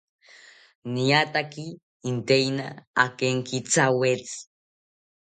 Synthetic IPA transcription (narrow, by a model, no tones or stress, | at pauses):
niat̪akiː | nt̪ejnaakeŋkit͡sawet͡s